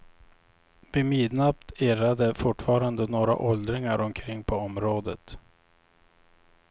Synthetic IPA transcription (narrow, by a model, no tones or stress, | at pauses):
vɪmiːd̪nap̚t̪eːɾad̪əfʊʈːfɑːɾand̪ənoːɾa̰ʔɔld̪ɾɪŋaɾɔmkʰɾɪŋːpʰɔɔmɾoːd̪ə̰t̪